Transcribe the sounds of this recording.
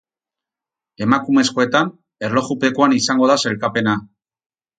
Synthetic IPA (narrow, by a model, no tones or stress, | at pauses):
e̞makume̞sko̞e̞t̪an | e̞ɾlo̞xupe̞koanisaŋɡo̞ðase̞lkape̞na